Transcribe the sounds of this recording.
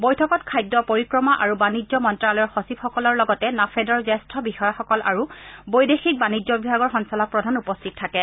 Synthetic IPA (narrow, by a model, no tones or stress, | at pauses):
bɔjtʰɔkɔtkʰajdːɔpoɹikɹɔmaʔaɹubanizɔmɔntɹalɔjɔɹxɔsipxɔkɔlɔɹlɔɡɔtɛnafʰɛdɔɹzɛstʰɔbixɔjaxɔkɔlʔa̰ɹubojdexik̚banizɔbibʱaɡɔɹxɔnsɔlak̚pɹɔdʱanupɔstʰit̚tʰːakɛ